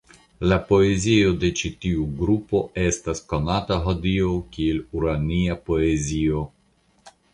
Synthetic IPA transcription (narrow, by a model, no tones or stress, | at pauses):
lapo̞ezio̞de̞t͡ʃitiuɡɾupo̞e̞stasko̞nataɦo̞dio̞kieluɾaniapo̞e̞zio̞